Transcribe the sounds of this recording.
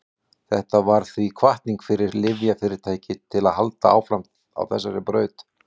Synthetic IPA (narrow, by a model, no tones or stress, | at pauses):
θɛht̪avaɾ̥θvikʰvaht̪niŋkfɪɾɪɾlɪvjafɪɾɪɾ̥t̪ʰaːjcɪt̪ʰɪlaðhalt̪aʔa̰ːwfɾam̥t̪ | a̰wθɛsːaɾɪpɾœːɥt̪